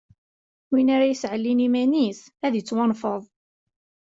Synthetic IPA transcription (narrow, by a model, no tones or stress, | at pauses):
winaɾajəsʕəlːinimænis | æðjət͡sːwɑnfəðˤ